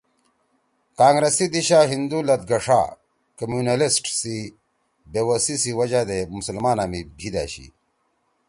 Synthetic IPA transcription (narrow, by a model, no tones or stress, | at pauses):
kaːŋɡɾesid̪iɕaːɦind̪ulɐt̪̚ɡɐʂa̰ː | kɐmjuːnɐlisʈsi | beːwɐsisiwɐd͡ʑaːd̪emusɐlmaːnaːmibʱid̪a̰ːɕḭ